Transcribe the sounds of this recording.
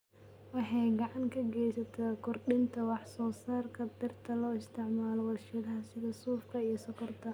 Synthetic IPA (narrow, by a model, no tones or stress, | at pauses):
wɑħɑjɡɑʕɑŋkʰɐɡɛjsɐt̪ʰɛkʰʊrɗɪnt̪ʰɐwɑħsɔːsaːrkʰɐbɪrt̪ʰɐlɔːɪst̪ʰɪʕmaːlɔwɐʃɪðɐɦɐsɪðɐsuːfkʰɐijɞsɐkʰɔrt̪ʰɐ